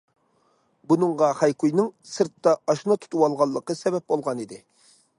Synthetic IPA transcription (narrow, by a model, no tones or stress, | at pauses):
bunɨŋʁɑhɑjkujnɪŋsɨɾt̪ːɑɑʃnɑt̪ʰu̥t̪ʰuwɑlˠʁɑlˠːəqəsɛbɛp̚bolˠʁɑnid̪ɪ